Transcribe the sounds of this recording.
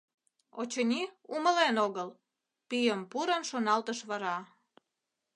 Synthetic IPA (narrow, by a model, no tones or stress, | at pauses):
o̰t͡ɕənʲiuməlenoɣəl | pijəmpuɾənʃonɑlt̪əʃβɑɾɑ